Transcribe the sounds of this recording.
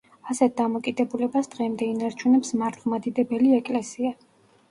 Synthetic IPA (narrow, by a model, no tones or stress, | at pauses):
asɛt̪̚ʰd̪amɔkʼid̪ɛbulɛbasd̪̥ʁɛmd̪ɛinaɾt͡ʃʰunɛpsmaɾt̪ʰlˠmad̪id̪ɛbɛliɛkʼlɛsia